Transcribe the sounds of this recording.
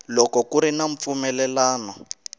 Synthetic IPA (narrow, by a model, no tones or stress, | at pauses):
lɔkɔkuɾinaɱ̩p̪fumɛlɛlaːnɔ